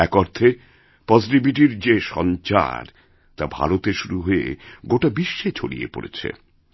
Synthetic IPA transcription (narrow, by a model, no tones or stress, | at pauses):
ɛkɔɾt̪ʰe | pɔziʈibiʈ̬iɾd͡ʑeʃɔ̰nt͡ɕa̰ɾ | t̪abʱa̰ɾot̪eʃuɾuɦoḛɡoʈabiʃːet͡ɕʰolḭḛpo̰ɾḛt͡ɕʰḛ